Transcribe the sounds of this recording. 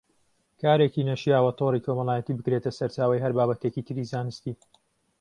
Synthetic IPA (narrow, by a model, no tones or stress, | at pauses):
kaːɾekiːnɐʃjaːwɐt̪ʰoːrikʰo̞mɐlaːjɛt̪iːbɨkɾet̪ɐsɐɾt͡ʃaːwɐjɦɐɾbaːbɐt̪ekit̪ʰɨɾizaːnɨst̪iː